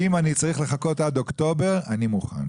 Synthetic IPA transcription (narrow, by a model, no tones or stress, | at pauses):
imanit͡saʁiχleχako̞tadokto̞beʁanimuχa̰n